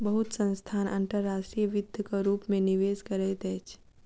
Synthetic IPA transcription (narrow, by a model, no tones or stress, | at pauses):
bəɦʊt̪sə̃nst̪ʰaːnʔə̰̃nʈəɾːaːsʈɾijəʋɪd̪ʱjəkaɾuːpmẽnɪʋeːskəɾɛt̪ɛːt͡ʃʰ